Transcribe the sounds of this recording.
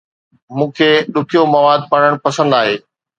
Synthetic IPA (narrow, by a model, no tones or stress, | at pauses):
mũːkʰeːɗʊkʰijomɐʋaːd̪̚pəɽ̃əɽ̃pɐsə̃nd̪aːɦeː